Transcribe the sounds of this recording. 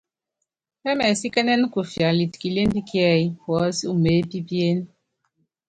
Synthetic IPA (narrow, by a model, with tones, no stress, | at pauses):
e˦mɛ˨si˦ke˦ne˦n̩˦ku˨fja˨li˨ti̥˨ki˨le˦n̩˦bi˦ki˦ɛ˦˨i˦wɔ˨˦si˦u˦˨me˨˦pi˦bi˦e˦n˦